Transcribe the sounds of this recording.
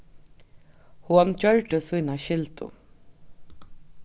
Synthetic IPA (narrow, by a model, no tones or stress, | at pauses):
hɔnt͡ɕœɹʈəsujnaʃɪlt̪ʊ̰